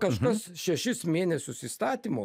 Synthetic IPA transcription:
kɐʃɐsʃʲɛʃʲɪsmʲeːnʲɛsʲʊsiːst̪ɑːt̪ʲiːmoː

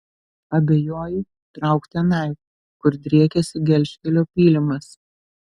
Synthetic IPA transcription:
ɐbʲeːjoːjɪ | t̪ɾɐˑʊkt̪ʲɛnɐˑɪk | kʊɾd̪ʲɾʲiɛkʲɛsʲɪɡʲɛlʲʃʲkʲɛlʲoːpʲiːlʲɪmɐs

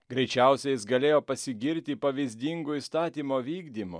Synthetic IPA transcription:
ɡɾʲɛɪt͡ʃʲɛˑʊsʲɛjɪsɡɐlʲeːjoːpɐsʲɪɡʲɪɾʲt̪ʲipɐʋʲizʲd̪ʲiŋɡʊist̪ɑːt̪ʲiːmoːʋʲiːɡd̪ʲiːmʊ̰

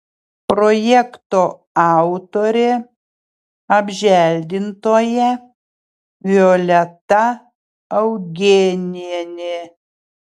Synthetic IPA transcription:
pɾojɛkt̪oː | ɑˑʊt̪oːɾʲe | ɐbʲʒʲælʲd̪ʲɪnt̪oːjɛ | ʋʲɔlʲɛt̪ɐ | ɐʊɡʲeːnʲɛnʲe

